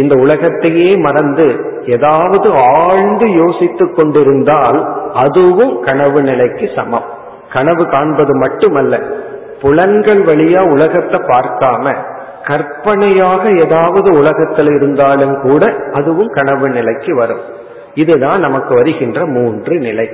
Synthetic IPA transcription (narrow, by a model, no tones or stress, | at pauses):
ɪnd̪ɐʊɭɐɣɐt̪ːɐjeːmɐɾɐnd̪ɯ | eːðaːʋɐðɯaːɻnd̪ɯjoːsɪt̪ːɯkːɔɳɖɪɾɯnd̪aːlɐðɯʋɯmkɐɳɐʋɯnɪlɐɪkːɯsɐ̰mɐm | kɐɳɐʋɯkaːɳbɐðɯmɐʈːɯmɐlːɐ | pʊlɐnɡɐɭʋɐɭɪjaːʊlɐɣɐt̪ːɐpːaːɾk̪aːmɐ̰ | kɐɾpɐɳɐjaːɣɐeːðaːʋɐðɯʊlɐɣɐt̪ːɪlɪɾɯnd̪aːlɯmkuːɽɐʔɐðɯʋɯmkɐɳɐʋɯnɪlɐɪkːɯʋɐɾɯm | ɪðɯðaːnnɐmɐkːɯʋɐɾɯɣɪndrɐmuːndrɯnɪlɐɪ